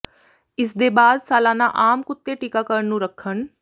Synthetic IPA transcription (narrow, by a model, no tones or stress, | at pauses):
ɪsd̪eːbaːd̪saːlaːnaʔaːmkʊt̪ːeʈikakəɾənũːɾəkʰːən